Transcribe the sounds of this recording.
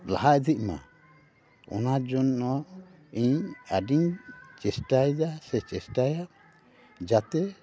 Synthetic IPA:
la̰ɦaʔd̪iʔ̚ˀma̰ | ɔ̰nad͡ʒɔnɔ | iɲaɖiɲt͡ʃɛsʈajd̪asɛt͡ʃɛsʈajaʔ | d͡ʒat̪ɛ

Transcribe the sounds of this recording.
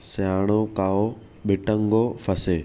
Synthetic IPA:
saːɽ̃okaːo | ɓɪʈəŋɡofɐseː

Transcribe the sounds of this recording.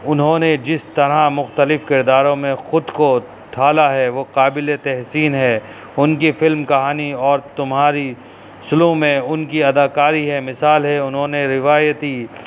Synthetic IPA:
ʊnɦõːned͡ʒɪst̪ɐɾamʊxt̪əlɪfkɪɾd̪aːɾõmẽxʊd̪ko | t̪ʰaːlaɦɛʋoqaːbɪlet̪ɛɦsiːnɦɛ | ʊnkifɪlmkɐɦaːniɔːɾt̪ʊmɦaːɾi | sʊlũmẽʊnkiɐd̪aːkaːɾiɦɛmɪsaːlɦɛʊnɦõːneɾɪʋaːjət̪i

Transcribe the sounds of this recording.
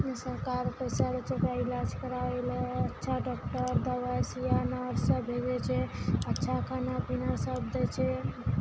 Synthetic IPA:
səɾkaɾpəjsaɾet͡ʃokailad͡ʒkəɾaelətːʃʰaɖɔk̚ʈəɾd̪əbasijanəɾsəbʱed͡ʒɛt͡ʃʰɛətːʃʰakanapinasəbd̪ɛt͡ʃʰɛ

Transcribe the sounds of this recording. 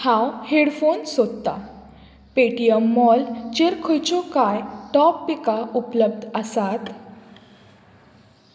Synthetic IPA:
hãwheɽfonsod̪t̪a | peʈijəmːɔlt͡ɕeɾkʰojt͡ɕɔkajʈɔpːikaupləb̚d̪ʱəsat̪

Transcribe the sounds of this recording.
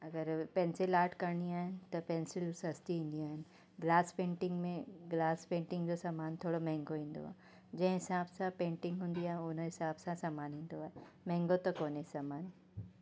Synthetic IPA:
ɐɡəɾpɛ̃ːnsɪlaːɾʈkɐɾɽ̃iaːɦɪnɪ̆t̪ɐpɛ̃nsɪlsɐst̪iɦĩːn̆d̪iaːɦɪnɪ̆ | ɡlaːspẽːɳʈɪ̃ŋɡmẽɡlaːspẽːɳʈɪ̃ŋɡd͡ʑoːsaːmaːnt̪ʰoːɽomɛ̃ɦɪ̃ŋɡoɦĩːn̆d̪o̰aːɦe | d͡ʑɐ̃ɦɪ̃ɦɪsaːbsãpẽːɳʈɪ̃ŋɡɦũːnd̪iaːɦẽʊnɦɪsaːbsãsaːmaːnɦĩːn̆d̪oaːɦemɛ̃ɦɪ̃ŋɡot̪ɐkoːnsaːmaːn

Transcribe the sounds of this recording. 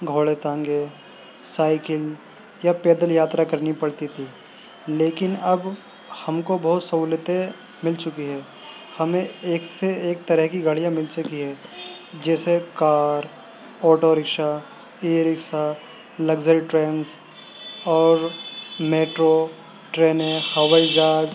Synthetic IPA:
ɡʱoːɭet̪ãŋɡe | saːɪkɪl | japɛːd̪əljaːt̪ɾakɐɾnipɐɽt̪it̪ʰiː | leːkɪnɐb | hɐmkobɐɦt̪sɐɦuːlɪt̪e | mɪlt͡ʃʊkiɦɛː | hɐmẽeːkseeːk̚t̪ɐɾəɦkiɡʱɐɽijãmɪlt͡ʃʊkiɦɛː | d͡ʒɛːsekaːɾ | ɔːʈoɾɪkʃa | eːɾɪkʃa | lɐɡzəɾʈɾeːns | ɔːɾmeːʈɾo | ʈɾeːnẽhɐwaid͡ʒaːd͡ʒ

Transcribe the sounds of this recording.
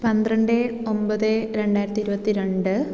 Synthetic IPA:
pɐnd̪rɐɳɖɨ | ombɐðɨɾe̞ɳɖaːjiɾɐt̪ːiɾubɐt̪ːiɾe̞ɳɖɨ

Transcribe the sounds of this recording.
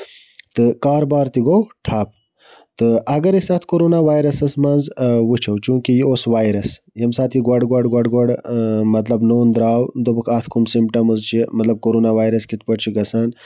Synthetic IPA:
t̪ɨkaːɾbaːɾt̪iɡowʈʰaːp̚ | t̪ɨʔɐɡɐɾisaːt̪ʰkoɾoːnaʋaːjɾɐsɐsmɐnzʋut͡ʃʰɐwt͡ʃũːkijioːsʋaːjɾɐsjɐmsaːt̪ʰjiɡwɐɽɡɐɽɡwɐɖɡɐɽmɐt̪lɐbnoːnd̪ɾaːwd̪obɨkʰaːt̪ʰkʰumsimpʈɐmɨzt͡ʃʰimɐt̪lɐb̚koɾoːnaʋaːjɾɐskit̪̚ʰpɐʈt͡ʃʰuɡɐsaːn

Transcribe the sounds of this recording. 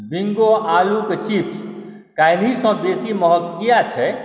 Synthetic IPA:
biŋɡoʔaluket͡ʃipʰs | kailisɔ̃besiməɦəkːijat͡ʃʰɛ

